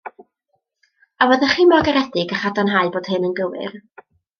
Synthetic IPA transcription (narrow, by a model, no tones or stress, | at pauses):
avəðəχiːmɔɡaɾɛdɪɡəχadanɦaɨboːd̥hɨnənɡəwɨ̰r